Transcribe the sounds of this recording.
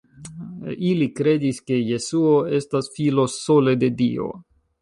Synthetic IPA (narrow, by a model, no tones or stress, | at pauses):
ilikɾe̞diske̞je̞suoe̞stasfilo̞so̞le̞de̞dio̞̰